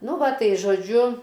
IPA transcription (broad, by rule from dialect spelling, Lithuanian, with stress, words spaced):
ˈnʊ ˈʋɐ ˈtɐɪ ʒoːˈd͡ʒʲʊ